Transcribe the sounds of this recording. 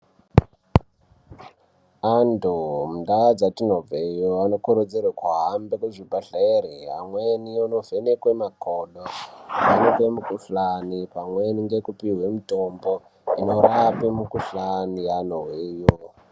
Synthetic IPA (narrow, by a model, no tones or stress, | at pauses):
andomundaad͡zatinob͡vejoano̞koɾod͡zeɾakwaɦambekweʐibʱaɬaeɾiɦa̰mweniono̞ve̞nekwemakoɗoʋanopemukuɬanipamwe̞niŋɡe̞kupiɦwe̞mutombo̞ | ino̞ɾapimukuɬanijanoweːjo